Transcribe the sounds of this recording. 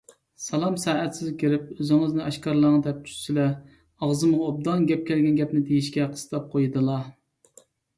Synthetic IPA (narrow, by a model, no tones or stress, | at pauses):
sɑlˠɑmsæːɛt̪sɪzkʲʰiɾɪp̚øzɪŋɨznɨʔɑʃkɑɾlˠəŋɨd̪ɛp̚t̪ʰy̥sɪlɛ | ɑʁzɨmʁɑob̚d̪ɑnɡʲɛp̚kʲʰɛlɡʲɛnɡʲɛpnɪd̪ejiʃkʲɛqʰə̥st̪ʰɑp̚qʰojd̪ɨlˠɑ